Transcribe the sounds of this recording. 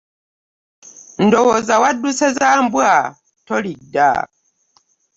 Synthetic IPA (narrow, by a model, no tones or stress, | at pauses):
n̩dɔwɔzawadusɛzambwa | tɔlida̰ː